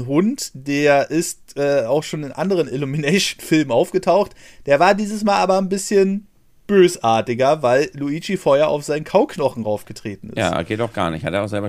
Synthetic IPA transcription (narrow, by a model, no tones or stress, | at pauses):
ɦʊntd̥eːɐʔɪstʔɛːaʊxʃoːnɪnʔa̰ndəʁ̞ənɪluminɛɪʃnfɪlmənʔaʊfɡ̥ətʰaʊxtd̥eːɐvaːɐdiːzəsmaːlʔaːbɐnbɪsçən | b̥øːsʔaːɐtɪɡɐvaɪlluiːt͡ʃifɔːɐhjaɐʔa̰ʊfz̥aɪnənkʰaʊknɔχn̩ʁaʊfɡ̥ətʁ̥eːtn̩ɪ̰jsa̰ːɡ̥eːtaʊxɡ̥a̰ːɐnɪ̰çtha̰teɐaʊxz̥ɛlbɐ